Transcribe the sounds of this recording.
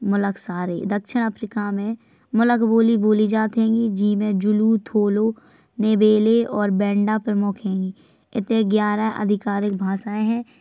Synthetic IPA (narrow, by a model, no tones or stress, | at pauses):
mʊləksaːɾḛd̪əkʃɪɽ̃əpʰɾɪkamẽ | mʊləkboːliboːlid͡ʒaːt̪ɦɛ̃ːŋɡid͡ʒiːmẽd͡ʒʊlut̪ʰoːloː | nebeːleɔːɾbɛ̃ːɳɖapəɾmʊkʰɦɛ̃ːŋɡi | ɪt̪ẽɡjaːɾaʔə̰d̪ʱɪkaːɾɪk̚bʱaːsaːẽɦɛ̃ː